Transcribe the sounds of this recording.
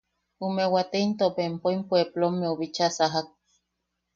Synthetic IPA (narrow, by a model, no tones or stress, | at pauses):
umewat̪eint̪opempoimpʷweplomːeuβit͡ʃasaɦak̚